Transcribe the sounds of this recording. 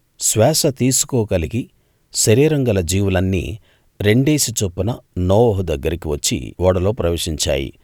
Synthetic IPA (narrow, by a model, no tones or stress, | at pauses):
sʋɛːsɐt̪iːsu̥kɔːkɐliɡi | ʃɐɾiːɾɐŋɡɐlɐd͡ʒiːʋulɐnːḭː | ɾe̞ɳɖeːsit͡ʃopːunɐnɔːʋɔɦud̪ɐɡːɐɾikiʋɐt͡ʃːḭʋɔːɽɐlo̞ːpɾɐʋeːʂiɲt͡ʃa̰ːjḭ